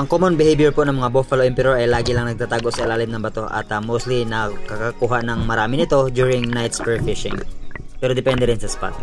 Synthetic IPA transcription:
ʔɐŋkomonbɪhejbjɛɹpoʔnɐŋmɐŋabofɐloʔɪmpɛɾjoɹɐjlaːɡɪlɐŋnɐɡ̪̚at̪aːɡo̞ʔsɐlaːlɪmnɐŋbɐt̪o̞ʔɐ̰t̪ɐmowst̪linɐkɐkakuːɦaʔnɐŋmɐɾaːmɪnɪt̪o̞d͡ʒ̪juɹɪŋnajt̪spɛɹfɪʃɪ̰ŋppɛɾod̪ɪpɛnd̪ɛɾɪnsɐspa̰t̪̚

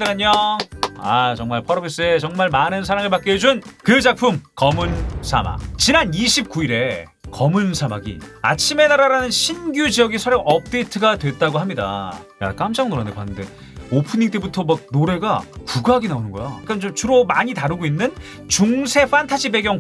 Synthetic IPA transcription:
dɯɾaɲo | at͡ɕʌŋmaɭpʰʌɾʌbes͈ɯet͡ɕʌŋmaɭmanɯnsʰaɾaŋɯɭpak͈eed͡ʑunkɯd͡ʑak̚pʰumkʌmunsʰama̰kt͡ɕinaniɕʰip̚k͈uiɾe̞ | kʌmunsʰamaɡḭa̰t͡ɕʰime̞naɾaɾanɯnɕʰinɡjud͡ʑijʌɡisʰʌɾjʌŋʔʌp̚t͈e̞itʰɯɡadwe̞t̚t͈aɡoɦamɲida̰ja̰k͈amd͡ʑaŋnoɾandepanːɯnde̞ | opʰɯɲiŋt͈e̞butʰʌmak̚noɾe̞ɡapuɡaɡinaonɯnɡʌ̰jok͈ant͡ɕomt͡ɕuɾomaɲitaɾɯɡoinːɯn | t͡ɕuŋsʰe̞ɸantʰad͡ʑibe̞ɡjʌŋ

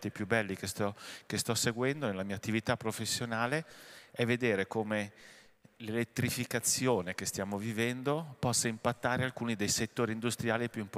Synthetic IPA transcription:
t̪ipjubːɛlːikest̪ɔkest̪ɔseɡwɛnd̪onelːamiːat̪ːivit̪apːɾofesːjonaːleɛvːed̪eːɾekome | lelet̪ːɾifikat̪sːjoːnekest̪jaːmovivɛnd̪opɔsːaimpat̪ːaːɾealkuːnid̪ejset̪ːoːɾiːnd̪ust̪ɾijaːlipjuimp

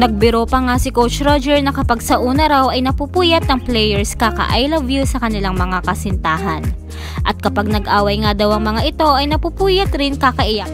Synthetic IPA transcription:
nɐɡ̚bɪɾo̞pɐŋasɪkowt͡ʃɾod͡ʒɛɹnɐkɐpaɡsɐʔuːnɐɾawʔɐjnɐpupuːjɐt̪̚nɐŋplɛjɛɹskakɐ̰ʔajlɐvjusɐkɐnɪlaŋmɐŋakɐsɪnt̪aːɦɐn | ʔɐt̪̚kɐpaɡ̚nɐɡʔaːwɐjŋad̪ɐwɐŋmɐŋaʔɪt̪o̞ʔɐjnɐpupuːjɐt̪ɾɪnkakɐʔɪja

